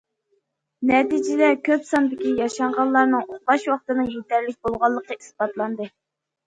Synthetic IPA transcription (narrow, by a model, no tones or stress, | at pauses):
nɛt̪id͡ʒɪd̪ɛkʲʰøpsɑnd̪ɪkʲijɑʃɑɴʁɑlˠːɑɾnɨŋoχlɑʃwɑχt̪ɨnɨŋjet̪æɾlɪk̚ʲbolˠʁɑlˠːəqəisbɑt̪lˠɑnd̪ɨ